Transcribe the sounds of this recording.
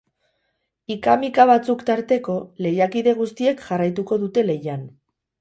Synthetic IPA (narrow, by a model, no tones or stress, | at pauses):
ikamikaβ̞at͡sukt̪aɾt̪e̞ko̞le̞jakiðe̞ɣ̞ust̪ie̞kʝarajt̪uko̞ðut̪e̞le̞jan